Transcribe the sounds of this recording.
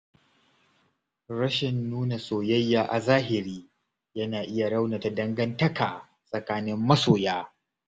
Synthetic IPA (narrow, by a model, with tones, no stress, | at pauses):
ɾɐ˦ʃɪ˨nːuː˦na˨soː˨jɐ˦jːaː˨ʔa˨zaː˦ɦɪ˨ɾiː˦ | jɐ˦naː˨ʔɪ˦ja˨ɽɐ˦wna˨ta˨dɐ˦ŋɡɐ˦ntɐ˦kʰaː˨ | sʼɐ˨kaː˦nɪ˦mːɐ˦soː˨jaː˦